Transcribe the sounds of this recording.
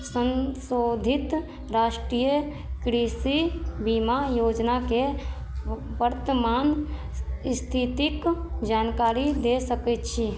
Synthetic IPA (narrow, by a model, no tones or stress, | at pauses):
sə̃nsoːd̪ʱɪt̪ | ɾaːʃʈɾijə | kɾisibimajoːd͡ʒnake | wəɾt̪əmaːn | st̪ʰit̪ikd͡ʒaːnkaːɾid̪esəkɛt̪t͡ʃʰi